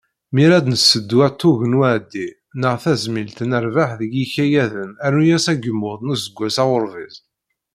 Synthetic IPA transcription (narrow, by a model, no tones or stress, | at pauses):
miɾæd̪nəsːəd̪ːwæt̪ʰːuʝənwæʕd̪ːi | nəʁθæzmilt̪nəɾvaħðəjiçæjæðənæɾujæsæɡəmːʊðˤnəzəɡʷːæsæwʊɾviz